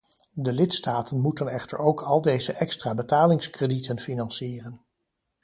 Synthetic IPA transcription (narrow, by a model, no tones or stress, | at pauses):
dəlɪtstaːtənmutənɛχtə̰ɹowkʰɑlˠdejzəʔɛkstraːbətaːlɪŋskreditənfinɑnsiːrən